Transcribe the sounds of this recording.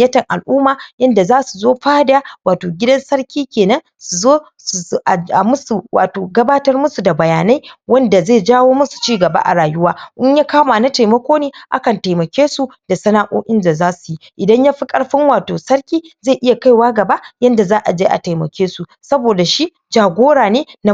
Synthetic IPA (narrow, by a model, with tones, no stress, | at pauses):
jɐ˦tɐ˨ŋʔa̰˨lʔuː˦maː˨jɐ˦nda˨zaː˦su˨zoː˦ɸaː˦djaː˦waː˨toː˨ɡʲɪ˦dɐ˦nsɐ˦rkʲiː˦kʲeː˨nɐ˦ŋ | su˨zoː˦ | su˨ʔa˨a˨mʊ˦su˨wa̰ː˨toː˨ɡɐ˦baː˦tɐ˦rmʊ˦su˨da˨bɐ˨jaː˨na˦jwɐ˦nda˨ze˦˨d͡ʒaː˦woː˦mʊ˦su̥˨t͡ʃiː˦ɡɐ˨ba̰˦ʔa̰˨ɽaː˨jʊ˦waː˦ʔɪ˦ɲjaː˦kaː˦maː˨na˦ta˨jmɐ˦kʷoː˦neː˦ʔa̰˦kɐ˨nta˨jmɐ˨kʲeː˦su˨da˨sɐ˦naː˦ʔo̰ː˦ʔɪ˦nda˨zaː˦su̥˨ji˦ʔɪ˨dɐ˦ɲjaː˦ɸi˦kʼɐ˦ɽɸɪ˦ŋwaː˨toː˨sɐ˦rkʲiː˦zaː˦˨ʔɪ˦ja˨ka˦jwaː˦ɡɐ˨ba˦jɐ˦nda˨zaː˦ʔa˨d͡ʒeː˦ʔa̰˨ta˨jmɐ̰˨kʲʰeː˦su˨ | sɐ˦boː˨da˨ʃi˦ | d͡ʒaː˨ɡʷoː˦ɽaː˨neː˦na˦